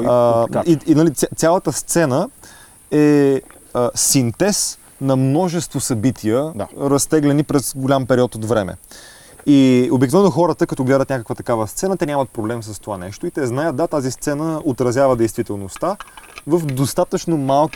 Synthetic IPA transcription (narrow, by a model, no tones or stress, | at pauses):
inɐlit̪sat̪sʲalˠət̪əst̪sɛnə | ɛ | əsint̪ɛs | nɐmnɔʒɛst̪vosɐbit̪ʰiəaɾɐst̪ɛɡlɛnipɾɛsɡolʲampɛɾiɔt̪od̪vɾɛmɛ̰ | iobiknovɛnʊxɔɾət̪əkɐt̪ɔɡlɛd̪ət̪nʲakəkvət̪ɐkavəst̪sɛnət̪ɛnʲamɐt̪̚pɾoblɛmsəst̪ovanɛʃt̪oit̪ɛznajət̪̚d̪at̪azist̪sɛnəot̪ɾɐzʲjavəd̪ɛjst̪vit̪ɛlˠnost̪avəfd̪ost̪at̪ət͡ʃnomalˠk